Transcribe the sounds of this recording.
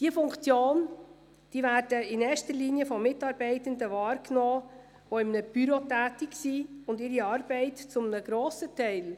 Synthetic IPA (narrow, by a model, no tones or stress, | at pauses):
d̥iəfʊŋkt͡sjoːn | d̥iːvæːɾd̥əɪnɛːʃtəliːnijəfɔmːɪtɑːɾbɛɪtəndəʋɑːɾknɔː | ʋɔɪmnəb̥yɾotæːtiksiʊndɪɾiɑːɾbɛɪtt͡sʊmənəɡ̥ɾɔːsətɛɪl